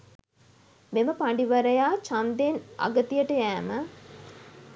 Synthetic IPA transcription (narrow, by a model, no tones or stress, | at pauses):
meməpaɳɖiʋɐɾəjaːt͡ʃand̪ena̰ɡət̪ijəʈəjæːmə